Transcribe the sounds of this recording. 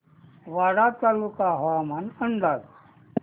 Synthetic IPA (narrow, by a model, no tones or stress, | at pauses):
ʋaɽat̪alukaɦamanənd̪ad